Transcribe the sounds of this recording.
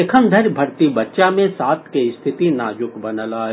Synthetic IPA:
ekʰənd̪ʱəɾbʱɐɾt̪ibɐtːʃamẽsaːt̪ʰkeɪst̪ʰɪt̪inaːd͡ʒʊkbɐnəlaːɦ

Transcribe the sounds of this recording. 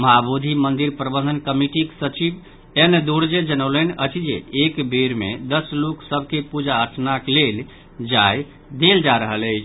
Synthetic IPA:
məɦabod̪ʱimənd̪iɾpɾəbə̃nd̪ənkəmiʈiksət͡ʃib | end̪oɽd͡ʒed͡ʒənəwlənət͡ʃʰid͡ʒḛekbeɾmḛd̪əsloksəb̚ʱkepud͡ʒaəɾʈʰnaklel | d͡ʒaj | d̪eld͡ʒaɾəɦələɪt͡ʃʰ

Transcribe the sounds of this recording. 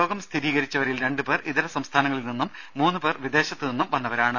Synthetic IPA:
o̞ːɡɐmst̪ʰiɾiːɣɐɾit͡ɕːɐʋɐɾilɾe̞ɳɖɨpe̞ːriðɐɾɐsɐmst̪ʰaːnɐŋːɐɭilninːumːuːnːɨpe̞ːrʋid̪e̞ːɕɐt̪ːɨninːumʋɐnːɐʋɐɾaːɳɨ

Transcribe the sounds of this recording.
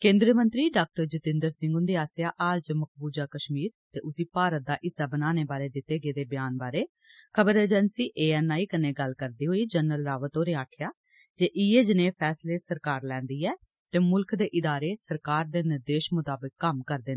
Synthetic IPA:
kẽːnd̪ɾiəmə̃nt̪ɾiːɖaːk̚ʈəɾd͡ʒɪt̪ɪ̃nd̪əɾsɪ̃ŋɡʊ̃nd̪iːaːsɪjaːʔaːlt͡ʃəmək̚ʰbuːd͡ʒaːkəʃmiːɾt̪eːʔʊsiːpaːɾət̪̚d̪aːʔɪsaːbənaːneːbaːɾeːd̪ɪt̪ːeːɡeːd̪eːbɪjaːnbaːɾeː | kʰəbəɾeːd͡ʒɛnsiːʔeːɛːnaːiːkəneːɡəlkəɾd̪iːɦoːiːd͡ʒənːəlɾaːʋət̪oːnẽːaːʈʰjaː | d͡ʒeːʔiːeːd͡ʒnẽːpʰɛːsleːsəɾkaːɾlɛ̃ːnd̪iːɛː | t̪eːmʊlkd̪eːʔɪd̪aːɾeːsəɾkaːɾd̪eːnɪɾd̪eːʃmʊt̪aːbɪkːəmkəɾd̪ɪːnː

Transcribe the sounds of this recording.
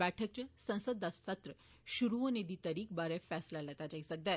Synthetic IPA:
bɛʈʰək̚t͡ɕesə̃w̃səd̪ːast̪at̪ɾə | ɕuɾuəned̪iːt̪əɾiːk̚baɾɛfɛslalat̪ad͡ʑaksəɡ̚d̪a

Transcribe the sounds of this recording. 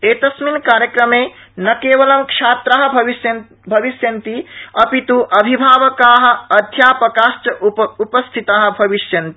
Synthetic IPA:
et̪ɐsminkaːɾjəkɾəme | nɐkeʋəlɐmkʃʰat̪ɾaɦbʱis | bʱɐʋisjɐnt̪iɐpit̪uʔɐbʱibʱaːʋəkaɦ̆ɐd̪ʱjapɐkasʈəupəst̪ʰit̪aɦ̆bʱɐʋisjɐnt̪i

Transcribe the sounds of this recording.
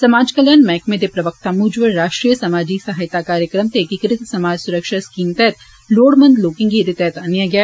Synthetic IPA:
sɐmaːd͡ʒkɐljənmɛ̃ːkmẽd̪epɾɐʋək̚t̪amuːd͡ʒʋəɾaːʃʈɾiːjəsɐmaːd͡ʒisɐɦaːjt̪akaːɾjəkɾəmt̪ekikɾɪt̪sɐmaːd͡ʒsʊɾəkʃaskiːmt̪ɛːt̪̚ | loːɽmɐ̃nd̪loːkɪ̃ŋɡid̪et̪ɛːt̪ɐnjaɡja

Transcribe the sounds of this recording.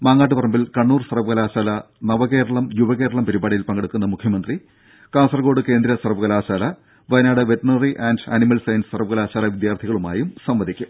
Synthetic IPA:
maːŋːaːʈːɨpɐrɐmbilkɐɳːuːrsɐrɐʋɐɣɐlaːɕaːlɐ | nɐʋɐɣe̞ːɾɐɭɐmjubɐɣe̞ːɾɐɭɐmpɐɾubaːɽijilpɐŋɡɐɽukːunːɐmukʰjɐmɐnd̪ri | kaːnsɐrɡoːɽɨke̞ːnd̪ɾɐsɐrʋɐɣɐlaːɕaːlɐ | ʋɐjnaːɽɨʋeʈɐɳɐriʔandɐnimɐlsɐjnsɨ̥sɐrʋɐɣɐlaːɕaːlɐʋid̪jaːrt̪ʰiɣɐɭuma̰ːjumsɐmʋɐd̪ʱikʲːu

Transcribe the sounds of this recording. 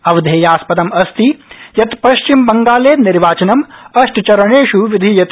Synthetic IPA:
ɐʋd̪ʱeːjaːspɐt̪ɐmɐst̪ijɐt̪pɐʃt͡ʃimbɐŋɡaːleːt̪niɾʋaːt͡ʃɐnɐmɐʂʈt͡ʃɐɾɐɳeːʃuʋid̪ʱijɐt̪

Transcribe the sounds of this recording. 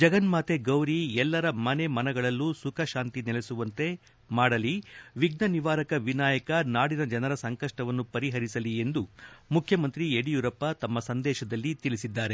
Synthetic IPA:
d͡ʒɐɡɐnmaːt̪eɡɐwɾiɛlːɐɾɐmɐne̞mɐnɐɡɐɭɐlːusukʰɐʃaːnt̪inɛlesuʋɐnt̪e̞ | maːɽɐliʋiɡ̚nɐniʋaːɾɐkɐʋinaːjɐkɐnaːɽinɐd͡ʒɐnɐɾɐsɐŋkɐʂʈɐʋɐnːupɐɾiɦɐɾisɐlie̞nd̪umukʰjɐmɐnt̪ɾieɽijuɾɐpːɐt̪ɐmːɐsɐnd̪ɛːʃɐd̪ɐlːit̪ilisid̪ːaːɾe̞

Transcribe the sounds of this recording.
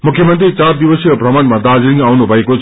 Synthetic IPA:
mukʰjʌmʌnt̪rit͡sard̪iwʌsioprʌmanmad̪ad͡zɾiŋawnubʱʌekot͡sʰ

